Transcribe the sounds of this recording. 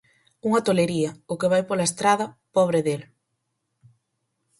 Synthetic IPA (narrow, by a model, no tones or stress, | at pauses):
uŋɐt̪oleɾiɐʊkɪβ̞ajpolɐest̪ɾað̞ɐpɔβ̞ɾeðel